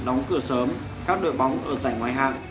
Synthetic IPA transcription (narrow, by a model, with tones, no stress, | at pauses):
ɗɔ˨˦wŋ͡mkɨ˧˩əsəː˨˦m | kaː˦˥k̚ɗo̰˧˨jɓɔ˨˦wŋ͡mʔəː˧˩zaː˧˩jŋwaː˧˩jɦa̰ː˧˨ŋ